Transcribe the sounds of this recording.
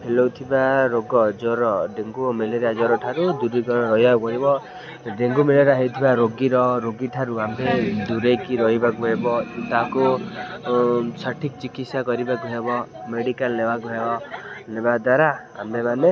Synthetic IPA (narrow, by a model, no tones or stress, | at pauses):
pʰelɔwt̪ʰibaɾoɡɔd͡ʒɔɾɔɖeŋɡumeleɾiad͡ʒɔɾɔʈʰaɾud̪uɾiɡɔɽɔɾɔɦjabɔɾibɔ | ɖeŋɡumeleɾaɦet̪ʰibaɾoɡiɾɔɾoɡiʈʰaɾuamed̪uɾejkiɾɔɦibakuɦebɔt̪aku | t͡ʃʰaʈʰik̚t͡ʃikit̪sjakɔɾibakuɦebɔ | meɽikalnebakuɦebɔnebad̪waɾa | a̰memane